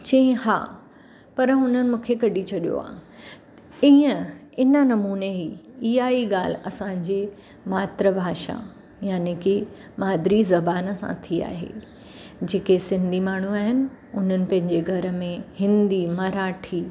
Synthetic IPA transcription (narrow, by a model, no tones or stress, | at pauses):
t͡ɕɐĩha̰ː | pɐɾɦʊnənɪ̆mũːkʰekɐɗit͡ɕʰɐɗijo̰a̰ː | iːə̃ | ɪnənɐmuːneɦiiɦaːiɠaːl̤ɐsãɲd͡ʑeː | maːt̪ɾəbʱaːʃa̰ | jaːneke | maːd̪ɾizɐbaːnəsã̰t̪ʰia̰ːɦḛː | d͡ʑeːkesɪ̃nd̪ʱimaːɳ̤uaːɦɪnɪ̆ | ʊn̤ənɪ̆pɐ̃ɦɪ̃ɲd͡ʑeɡʱɐɾə̆mẽhɪ̃nd̪imɐɾaːʈʰiː